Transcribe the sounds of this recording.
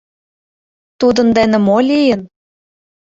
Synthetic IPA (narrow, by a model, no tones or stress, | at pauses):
t̪ud̪ɤ̆nd̪ænə̆molʲijə̆n